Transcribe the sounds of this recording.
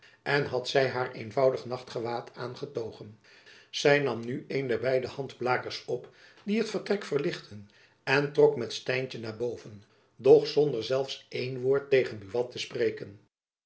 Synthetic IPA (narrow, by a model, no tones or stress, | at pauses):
ɛnɦɑtsɛjɦaːɹejnvɑwdəχnɑχtχəʋaːtʰaːnχətowχən | z̥ɛjnɑmnyejndɛɹbɛjdəhɑndblaːkəɹsɔp | diɦətfəɹtrɛkfəɹlɪχtʰən | ɛntrɔkmɛtstɛjncənaːɹbowvən | dɔχsɔndəɹzɛlˠfsʔejnʋoːɹtejχənbyʋɑtəsprejkən